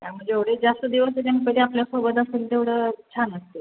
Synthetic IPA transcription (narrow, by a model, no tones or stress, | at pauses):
t̪jam̤əɳd͡zeeʋɽed͡zast̪əd̪iʋəst̪əɾankəɾiapljasobəd̪aselt̪eʋɽət͡ɕʰanəst̪e